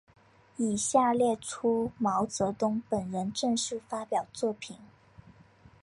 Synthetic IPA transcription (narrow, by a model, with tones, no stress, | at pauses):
i˨˩ɕja˥˧ljɛ˥˩ʈ͡ʂʰu˥mɑ˧˥ʊt͡sɤ˧˥t̪ʊ˥ŋpə˨˩nɻə˧˥nʈ͡ʂə˥˧ŋʂɻ̩˥˩fa˥pjɑ˨˩ʊt͡swɔ˥˩pʰi˨˩˦n